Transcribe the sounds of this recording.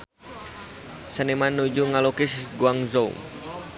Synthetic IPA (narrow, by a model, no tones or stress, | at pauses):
sənimanːud͡ʒuŋalokɪsɡuaŋzoṵŋ